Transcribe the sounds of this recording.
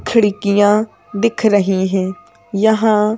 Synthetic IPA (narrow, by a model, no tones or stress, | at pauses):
kʰəɽɪkɪjãː | d̪ɪkʰɾəɦĩːɦɛ̃ː | jəɦãː